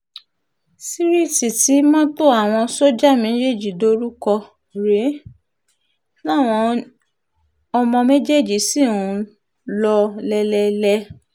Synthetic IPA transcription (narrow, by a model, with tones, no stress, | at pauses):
si˦ɾi˦˨ti˨ti˨˦mɔ̃˦to˦˨a˦˨w̃ɔ̃˧so˦d͡ʒa˦˨mẽ˨˦d͡ʒe˦˨d͡ʒi˨do˦ɾu˦kɔ˧ | ɾe˨˦ | nã˦˨w̃ɔ̃˧ | ɔ˧mɔ̃˧me˦d͡ʒe˦˨d͡ʒi˨si˦˨ũ˨˧˦ | lɔ˧lɛ˧lɛ˧lɛ˧